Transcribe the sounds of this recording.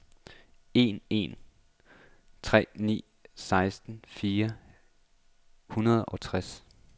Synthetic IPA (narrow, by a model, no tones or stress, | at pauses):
e̝̰ne̝̰n | t͡sʰʁɛ̰ːnḭː | sɑ̈ɪsd̥n̩fiːɐ | hunɐð̞̩ˠɒ̽t͡sʰʁas